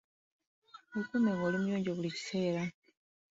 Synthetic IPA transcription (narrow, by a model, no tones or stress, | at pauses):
ekumeŋɡolimujoːɲɟoβulici̥se̞ːɾa